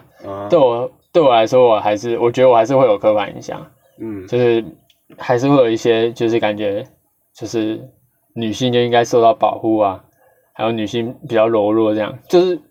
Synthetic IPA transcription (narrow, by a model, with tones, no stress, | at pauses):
t̪we˥˩ɪwɔ˨˩t̪we˥˩ɪwɔ˨˩a˧˥ɪʂwɔ˥wɔ˨˩xa˧˥ɪʂɻ̩˥˩wɔ˨˩t͡ɕɥdə˧wɔ˨xa˧˥ɪʂɻ̩˥˧we˥˩jo˨˩ʊkʰɤ˥kʰa˨˩nḭ˧˥ɕjɑ̰˨˩˦ŋ | t͡ɕjo˥˧ʊʂɻ̩˥˩ | xa˧˥ɪʂɻ̩˥˧we˥˩ɪjo˨˩ʊ˧i˥˩ɕjɛ˦˥t͡ɕjo˥˧ʂɻ̩˥˩ka˨˩nt͡ɕɥɛ˧˥ | t͡ɕjo˥˧ʊʂɻ̩˥˩ | ny˨˩ɕi˥˧nt͡ɕji˥ŋka˥ɪʂo˥˧ʊt̪ɑ˥˩ʊpɑ˨˩ʊxu˥˩ɐ˨ | xa˧˥ɪjo˧˩ʊny˨˩ɕi˥˩ŋp̬i˨˩t͡ɕjɑ˥˩ʊlo˧˥ʊlwɔ˥˧ʈ͡ʂɤ˥˧jɑ̰˥˩ŋt͡ɕjo˥˧ʊʂɻ̩˥˩